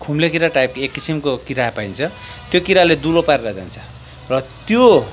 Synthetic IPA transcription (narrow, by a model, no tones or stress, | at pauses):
kʰumlekiɾaʈajpekːisimkokiɾapaijnt͡sʰʌ | t̪jokiɾaled̪ulopaɾlad͡za̰nt͡sʰʌ̥ | rʌt̪jo